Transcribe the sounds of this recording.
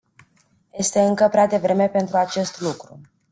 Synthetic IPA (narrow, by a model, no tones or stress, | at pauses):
je̞st̪e̞ɨŋkəpɾead̪e̞vɾe̞me̞pe̞nt̪ɾuat͡ʃe̞st̪lukɾṵ